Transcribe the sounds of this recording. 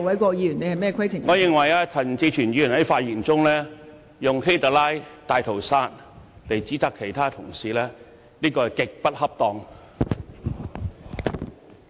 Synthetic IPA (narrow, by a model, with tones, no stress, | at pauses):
wɐ˨˥jkɔː˧jiː˨˧˥jyː˨˩ne˨˧hɐ˨jmɛː˥˧kʰɐ˥jt͡sʰɪ˨˩ŋŋɔː˨˧jɪ˨ŋwɐ˨˩jaː˧t͡sʰɐ˨˩t͡siː˧t͡ʃʰyː˨˩njiː˨˧˨nhɐ˨˥jfaː˧t̚jiː˨˩ŋt͡sʊ˥ŋlɛː˥ | jʊ˨ŋɦe˥jt̪a˨˩laː˥jt̪aː˨jt̪ʰo˨˩wsaː˧˥n̚ | le˨jt͡siː˨˥t͡saː˨˧kʰe˨˩jt̪ʰaː˥t̪ʰʊ˨˩ŋsiː˨lɛː˥ | liː˥kɔː˧˨kɪ˨k̚pɐ˥t̚hɐ˥p̚t̪ɔː˨˧ŋ